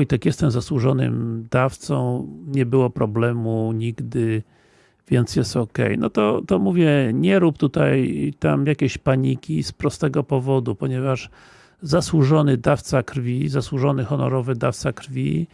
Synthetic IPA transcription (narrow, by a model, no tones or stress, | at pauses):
jt̪ɛkjɛst̪ɛmzaswuʐɔnɘ̰md̪aft̪sɔ̰̃w̃ɲɛbɘwɔpɾɔblɛmuɲiɡd̪ɘ | vʲjɛnt̪sjɛst̪ɔkɛ̰jnɔ̰t̪ɔt̪ɔmuvʲjɛɲɛɾupt̪ut̪ajt̪amjakʲeɕpaɲikʲispɾɔst̪ɛɡɔpɔvɔd̪upɔɲɛvaʂ | zaswuʐɔnɘd̪aft̪sakɾfʲizaswuʐɔnɘxɔnɔ̰ɾɔvɘd̪aft̪sakɾfʲḭ